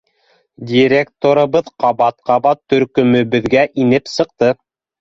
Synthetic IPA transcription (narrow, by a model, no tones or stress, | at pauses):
dʲiɾʲekt̪oɾɤ̆βɤðqɑβɑt̪̚qɑβɑt̪ːɵ̆ɾkɵ̆mɵ̆βɘ̆ðɡæʔinɘpsɤ̆q̚t̪ɤ